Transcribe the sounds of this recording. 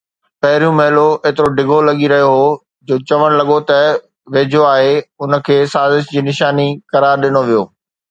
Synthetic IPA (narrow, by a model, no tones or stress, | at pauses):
pɐɦɪɾijũmɐɦɪloeːt̪ɪɾoɖɪɡʱolɐɠiɾɐɦijoɦo | d͡ʑoːt͡ɕɐʋəɽ̃lɐɠot̪ɐ | ʋeːd͡ʑʱoaːɦeʊnə̆kʰeːsaːzɪʃd͡ʑiːnɪʃaːnikɐɾaːɾɗɪnoʋijo̰ː